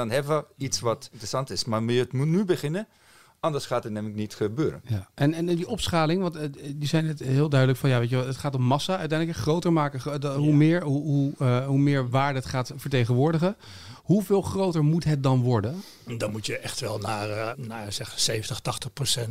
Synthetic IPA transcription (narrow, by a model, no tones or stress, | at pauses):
dɔnɛvəitsʋɔtɪntrəsɑntɪsmaʋiətmutnybəχɪnə | ʔɑndəɹsχaːtətnɛmləknitxəbøːɾənjaɛnɛndiʔɔpsχaːlɪŋəʋɑntdizɛjnɛtɦɪːlˠdœɥdələkfɑnjaːʋejtʋɛlˠətχaːtɔmːɑsaœɥtɛjndləkχrowtəɹmaːkəɦumɪːɹɦuɦuɦumɪːɹʋaːɹdəətχaːtfəɹtejχənʋʊːɹdəχə | ɦuvɪːlˠχrowtəɹmutɦət̚dɑnʋɔɹdən | dɑnmutjəʔɛχtʋɛlˠnaːrnasɛxsejvəntəχtɑχtəχprosɛnt